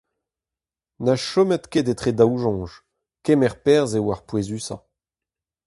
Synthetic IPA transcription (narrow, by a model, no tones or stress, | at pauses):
naʃɔmɛt̪ked̪et̪χed̪awʒɔ̃ːʒ | kʲɛmɛʁpɛʁzewaʁpwezysã̰